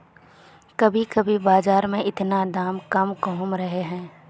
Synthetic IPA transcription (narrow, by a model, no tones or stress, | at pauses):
kɐbʱikɐbʱibaːzaːɾmẽɪt̪nad̪aːmkɐmkɔɦʊmɾɐɦeɦɛ̃ː